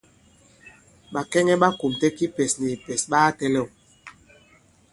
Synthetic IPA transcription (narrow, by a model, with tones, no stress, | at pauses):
ɓa˨kɛ˦ŋɛ˦ɓa˦ku˨mtɛ˦ki˦pɛ˨sni˨pɛ˨sɓaː˦tɛ˦lɛ˦˨w